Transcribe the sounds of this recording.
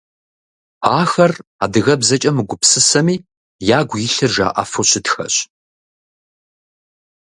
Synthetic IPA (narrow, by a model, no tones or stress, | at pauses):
aːxɐra̰ːdɨɣɐbzɐt͡ʃʼɐmɨɡʷʊpsɨsɐmiː | jaːɡʷiɬɨrʒa̰ːʔɐ̰foɕɪtxɐ̰ɕ